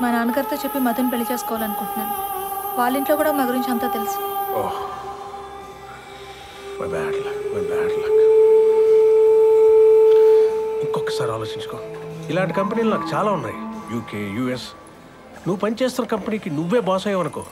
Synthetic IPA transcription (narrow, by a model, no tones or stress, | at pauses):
mɐnaɐːnɐɡɐɾt̪oːt͡ʃepːimɐd̪ɐnpeɭːɐt͡ʃe̞ːskɔːʋaːlɐnukuɳʈunːaːnuʋaːɭːiɳʈloːkuːɽaːmaːɡɐɾiɲt͡ʃɐnt̪aːt̪elisioː | ʋɐ̰baːɖlakʋɐbaːɖlak | iŋkːɔkːɐ̥saːɾa̰ːloːt͡ʃiɲt͡ʃu̥koːilaːɳʈikɐmpɐniːlunaːkut͡ʃaːlaːunːaːjijuːkeːjuːes | nuʋːupɐnit͡ʃeːst̪unːɐkɐmpɐniːkinuʋːe̞ːbɔːsɐjɐʋɐnɐkoː